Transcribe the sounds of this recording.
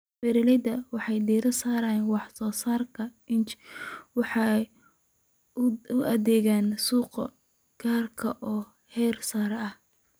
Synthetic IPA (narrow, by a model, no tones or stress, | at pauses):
bɛɾɪlɐdɐwɑħɑjd̪iːɾɐsaːɾɐːjnwɑħsɔːsaːrkʰɐɪnt͡ʃwɑħɑ | ʊʔɐðɛːɣaːnsuːqɐ̰ | ɡ̥aːrkʰɐʔɔː | hɛːrsaːɾɛɐh